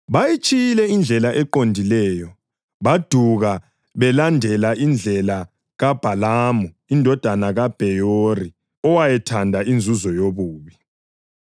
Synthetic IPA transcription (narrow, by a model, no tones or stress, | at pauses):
βajit͡ʃʼijilɛind͡ɮʱɛlaʔɛǃondʱilɛːjɔ | βad̥ʱuɣa | βɛlandʱɛlaʔind͡ɮʱɛla | ɣab̥ʱalaːmu | indʱɔd̥ʱanaɣab̥ʱɛjori | ɔwajɛtʰandʱaʔind͡zʱuzɔjoβuːβi